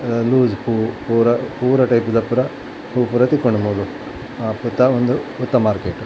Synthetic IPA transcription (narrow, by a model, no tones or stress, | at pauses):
luːzpuːpuːɾɐpuːɾɐʈɐjpud̪ɐpuɾɐ | puːpuɾɐt̪ikoɳumuːlu | put̪ːɐond̪uːt̪ːɐmaːɾkeːʈː